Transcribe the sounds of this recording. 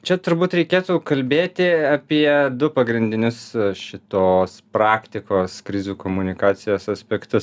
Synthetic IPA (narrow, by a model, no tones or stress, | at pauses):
t͡ʃʲɛt̪ʊɾbuːt̪ɾʲɛɪkʲeːt̪uʊkɐlʲbʲeːt̪ʲɪɐpʲiɛd̪ʊpɐɡɾʲɪnʲd̪ʲɪnʲʊsʃʲɪt̪oːspɾɑːkt̪ʲɪkoːskɾʲɪzʲuːkoːmʊnʲɪkɑːsʲɪjoːsɐsʲpʲɛkt̪ʊs